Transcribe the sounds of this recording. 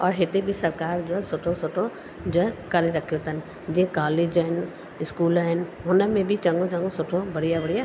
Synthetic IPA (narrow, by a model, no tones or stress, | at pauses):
ɔːɾɦɪt̪ebʱisɐɾkaːɾd͡ʒoːɦɛsʊʈʰosʊʈʰo | d͡ʒoːɦɛkɐleɾɐkʰijot̪ənɪ̆ | d͡ʒiẽkaːleːd͡ʒɦɪn | ɪskuːlɦɪnɪ̆ɦʊnəmẽbʱit͡ʃɐ̃ŋɡõt͡ʃɐ̃ŋɡosʊʈʰobɐɽijabɐɽija